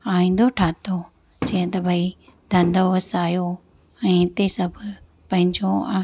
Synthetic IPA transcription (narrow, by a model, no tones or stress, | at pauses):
aːĩːn̆d̪oʈʰaːt̪o | d͡ʑiːə̃t̪ɐbʱɐi | d̪ʱɐ̃nd̪ʱoʋɐsaːjo | ɛ̃ːɪt̪esɐbʱ | pɐ̃ɦɪ̃ɲd͡ʑo